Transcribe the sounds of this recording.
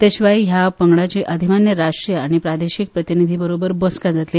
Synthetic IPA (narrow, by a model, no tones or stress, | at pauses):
t̪eɕʋajɦjapəŋɡɽat͡ɕiːʔəd̪ʱimanːjəɾaʂʈɾijəaɽ̃ipɾad̪eɕik̚pɾət̪inid̪ʱibəɾobəɾbəskad͡zat̪liː